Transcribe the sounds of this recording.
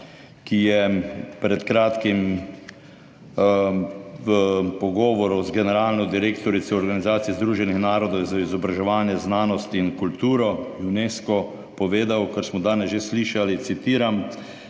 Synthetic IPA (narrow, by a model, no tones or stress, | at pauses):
kijɛpɾɛt̪kɾaːt̪kim | ʋəpɔɡɔːʋɔɾɔzɡɛnɛɾaːlnɔd̪iɾeːkt̪ɔɾit̪sɛɔɾɡanizaːt̪sijɛzd̪ɾuːʒɛnixnaːɾɔd̪ɔwzaizɔbɾaʒɛʋaːnjɛznaːnɔst̪inkult̪uːɾɔuneːskɔ | pɔʋeːd̪awkaɾsmɔd̪aːnɛsʒesːliʃalit̪sit̪iːɾam